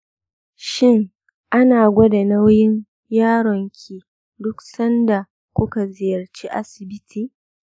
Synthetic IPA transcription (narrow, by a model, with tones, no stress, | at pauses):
ʃɪ˦ŋ | ʔa˦naː˨ɡʷɔ˦da˨na˦wjɪ˦ɲ | jaː˦ɽɔ˨ŋkʲʰiː˨ | dʊ˦ksɐ˦nda˨ | kʷʊ˦ka˨zɪ˨jɐ˨rt͡ʃiː˦ʔa˦sɪ˨bɪ˦tʰiː˨